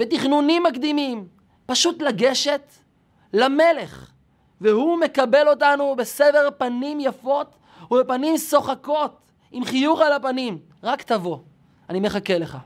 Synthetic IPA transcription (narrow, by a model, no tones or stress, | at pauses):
vet̪iχnunimːakd̪imim | paʃutlaɡe̞ʃe̞t̪ | lame̞le̞χ | vehume̞kabe̞lo̞tanubesede̞ʁpanimjafo̞t | ubepanimso̞χako̞t̪ | imχijuʁalapanim | ʁakt̪avo̞ | anime̞χake̞leχa̰